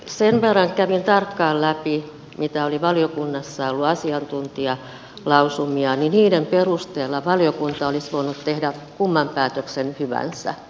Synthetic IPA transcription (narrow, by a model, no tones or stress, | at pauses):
senʋerːɑŋkæʋint̪ɑrkːɑːllæpi | mit̪æoliʋɑljokunːɑsːɑolːuɑsiɑnt̪unt̪iɑ | lɑusumiɑniniːdemperust̪eːlːɑʋɑljokunt̪ɑolisʋoinut̪t̪ehdækumːɑmpæːt̪øksenhyʋæ̰nsæ̰